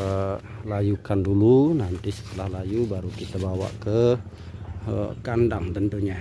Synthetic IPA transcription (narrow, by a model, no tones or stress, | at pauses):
lajukandulunant̪isə̥t̪əlahlajubaɾukit̪abawa̰ʔkə | əkandaŋt̪ənt̪uɲa